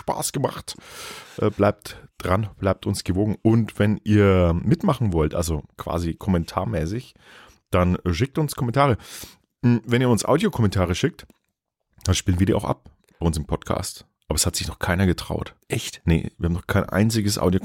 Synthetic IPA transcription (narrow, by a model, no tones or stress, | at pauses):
ʃpa̰ːsɡ̥əma̰χtʔɛːb̥laɪp̚td̥ʁanb̥laɪp̚tʰʊnsɡ̥əvoːɡŋ̩ʊntv̥ɛnʔiːɐmɪtmaχn̩vɔltʔa̰lzokʰv̥a̰ːzikʰɔmɛntʰa̰ːɐmɛːsɪç | d̥anʃɪk̚tʊnskʰɔmɛntʰaːʁə | m̩vɛniːɐʊnsʔa̰ʊdjokʰɔmɛntʰaːʁəʃɪk̚t | d̥anʃpiːlənviːɐdiːɐʔaʊxʔa̰p̚ | b̥aɪʊnsɪmpʰɔtkʰa̰ːst | ʔaːbɐɛshatz̥ɪçnɔχkʰaɪnɐɡətʁ̥a̰ʊtɛçtnə̰v̥iːɐhamnɔχkʰaɪnʔa̰ɪnt͡sɪɡəsʔa̰ʊdjo